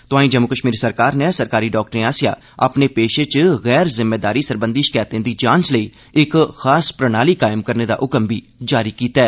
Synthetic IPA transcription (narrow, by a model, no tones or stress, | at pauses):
t̪ʊãːĩːd͡ʒəmːukəʃmiːɾsəɾkaːɾnẽsəɾkaːɾiːɖɔːk̚ʈɾẽːaːsɪja̰ː | ə̰pneːpeːʃet͡ʃɣɛːɾzɪmːeːd̪aːɾiːsəɾbə̃nd̪iːʃɪ̥kaːt̪ẽːd̪iːd͡ʒãːnt͡ʃləiː | ɪkxaːspɾəñaːliːkaːɪmkəɾneːd̪a̰ːʔʊkəmbʱiː | d͡ʒaːɾiːkiːt̪aɛː